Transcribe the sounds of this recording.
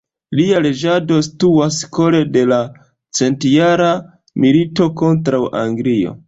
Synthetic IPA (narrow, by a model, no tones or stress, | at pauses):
liale̞d͡ʒado̞stuasko̞ɾe̞de̞la | t͡se̞ntjaɾa | milito̞ko̞ntɾawʔa̰ŋɡlio̞̰